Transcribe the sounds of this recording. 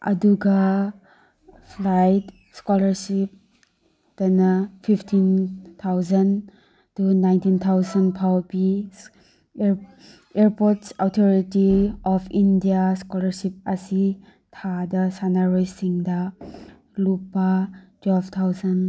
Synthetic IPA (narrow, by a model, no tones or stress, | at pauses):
ɐ̰duɡɐ | pʰlajt | skɔlɐɾsip̚ | d̥ɐnɐpʰipʰtʰint̪ʰawzɐn | tunajntint̪ʰawzɐnpʰawbi | eɾpoɾtsawtʰɔɾitiɔpʰindijaskɔlɐɾsip̚ɐsi | tʰadɐsanaɾojsiŋdɐ | lupːatwelbt̪ʰawzɐn